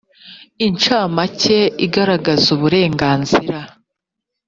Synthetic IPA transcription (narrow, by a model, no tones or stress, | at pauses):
int͡ʃaːmace̞iɡaɾaɡazuβuɾe̞ːŋɡaːnziɾa